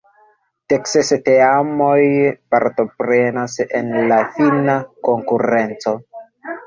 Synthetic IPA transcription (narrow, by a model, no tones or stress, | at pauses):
teksesteamo̞jpaɾto̞pɾe̞nase̞̰nlafinako̞ŋkuɾe̞nt͡so̞